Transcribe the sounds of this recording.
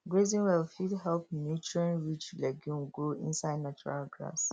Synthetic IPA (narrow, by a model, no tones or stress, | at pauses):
ɡɹezĩnwɛlfidhɛlp̚njut͡ʃuɹĩnɹit͡ʃlɛɡjũnɡoḭ̃nsaɪdnat͡ʃuɹa̰lɡɹa̰s